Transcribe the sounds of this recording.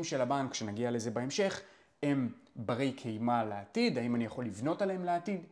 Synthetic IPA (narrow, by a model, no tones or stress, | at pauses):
mʃelabankʃenaɡiale̞ze̞bae̞mʃe̞χ | embaʁejkʰejmaleatidaimanijaχo̞lːivno̞talehemleatid